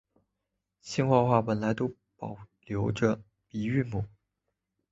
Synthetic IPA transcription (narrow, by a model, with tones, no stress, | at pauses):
ɕi˥˧ŋxwɑ˥˧xwa˥˩pə˨˩nla˧˥ɪt̪o˥ʊ | pɑ˨˩ʊljo˧˥ʊʈ͡ʂə˥˧ | pi˧˥y˥˩mu˨˩˦